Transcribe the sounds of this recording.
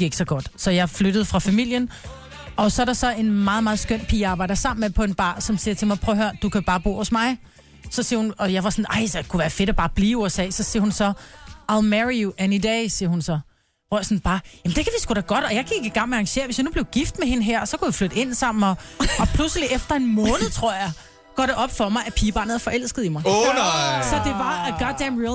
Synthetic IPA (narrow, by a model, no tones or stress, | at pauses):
e̝ɡ̥sɒɡ̥ɒ̽d̥sɒ̽jɑ̈ɪfløɾ̥əð̞̩ˠfʁɑ̈fæmil̰jən | ɒ̽sɒ̽æɐɾ̥ɑ̈sɒ̽ʔe̝nmɑ̈ːð̞̩ˠmɑð̩ˠsɡ̥øn̰pʰḭːɑːbɑ̈ɪ̰d̥ɐsɑ̈m̰n̩mepʰɒ̽e̝nb̥ɑ̰̈ːsɒ̽msiɐt͡sʰe̝mɑ̈ɪpʰʁœːɦøɐd̥ukʰæb̥ɑ̈ːb̥o̝̰ːhɔ̽smɑ̈ɪ | sɒ̽siɐhunɒ̽jɑ̈ɪʋɑ̈sɔnɑɪ̰skʰuʋæːɐfe̝ɾ̥ɒb̥ɑ̈ːb̥liːuesɛ̰ːɪsɒ̽siɐhunsɒ̽ælmæʁiuʔænid̥ɛːsiɐhunsɒ̽ | ʁɔɐsɔnb̥ɑ̈ːjæmn̩d̥e̝kʰæʋisɡ̥ud̥æɡ̥ɒ̽d̥ɒ̽jɑ̈ɪkʰiɡ̥iɡ̥ɑ̈ŋ̰meɑŋɕe̝̰ɐʋesjɑ̈ɪnub̥le̝ʊɡ̥ifd̥mehe̝nəɦæɐ̰sɒ̽kujaflød̥əe̝n̰sɑ̈m̰n̩ɒ̽ɒ̽pʰlusəliʔefd̥ɐe̝nmɔ̽ːnð̩ˠt͡sʰʁo̝ɐ̰jɑ̈ɪ | ɡ̥ɒ̰ːɾe̝ʔɒ̽b̥fɒ̽mɑ̈ɪæpʰiːb̥ɑ̈ːnð̩ˠɐfɒ̽ʔel̰sɡ̥əð̞̩ˠimɑ̈ɪ | sɒ̽d̥e̝ʋɑ̈ɡ̥ɑdæmʁi